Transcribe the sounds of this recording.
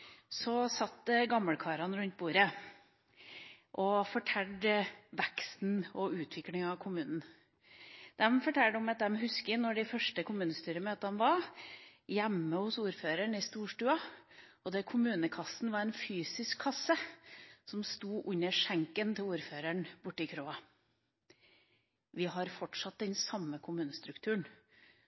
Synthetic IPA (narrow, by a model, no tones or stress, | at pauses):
sɔsɑt̪ːɡɑmːəɽkʰɑːɾɑnɾʉnt̪̚buːɾə | ʔɔfɔʈʰɛlɖʋɛkst̪n̩ɔʉːt̪ʰʋɪklɪŋɑʋkʰʊmʉːnn̩ | d̪ɛmfɔʈʰɛlɖʊmɑt̪̚d̪ɛmɦʉskɪnɔɖɪfœʂʈəkʰʊmʉːnəst̪yːɾəmøːt̪ɑnʋɑɾ | jæmːəhʊsuːɾføːɾəɳɪst̪uːʂʈʉːɑ | ɔd̪ɛkʰʊmʉːnəkʰɑsn̩ʋɑɾɛnfyːsɪskʰːɑsːəsɔmst̪uːʔʉɲəʂæŋkənt̪ʰɪluːɾføːɾəɳbʊʈːɪkʰɾoːɑ | ʋɪɦɑɾfɔʈʂɑt̪̚d̪ɛnsɑmːəkʰʊmʉːnəst̪ɾʉkt̪ʰʉːɳ